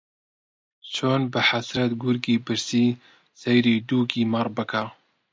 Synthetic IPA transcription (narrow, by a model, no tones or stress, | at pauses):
t͡ʃʰoːnbɨħasɾɛt̪ɡuɾɡiːbɨɾsiː | sɛjɾiːd̪uːkiːmɑrˤbɨkʰa